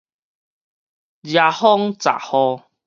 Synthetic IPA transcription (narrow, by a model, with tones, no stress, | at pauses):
d͡ʒja˧hɔ˦ŋt͡sa̰˨hɔ˧